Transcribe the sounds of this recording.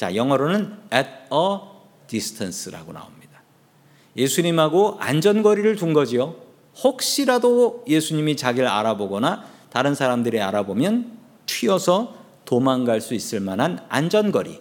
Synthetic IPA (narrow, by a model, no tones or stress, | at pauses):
t͡ɕa̰jʌŋʌɾonɯnet̚ʌ | tisʰɯ̥tʰansʰɯɾa̰ɡona̰omɲid̥ḁ | je̞sʰuɲimɦaɡoa̰nd͡ʑʌnɡʌɾiɾɯɭtuŋɡʌd͡ʑijo | hok̚ɕ͈iɾadoje̞sʰuɲimit͡ɕaɡiɯɭa̰ɾaboɡʌnataɾɯnsʰaɾamdɯɾia̰ɾabomjʌn | t͡ɕʰɥiʌsʰʌ | tomaŋɡaɭs͈uis͈ɯɭmanɦana̰nd͡ʑʌnɡʌɾḭ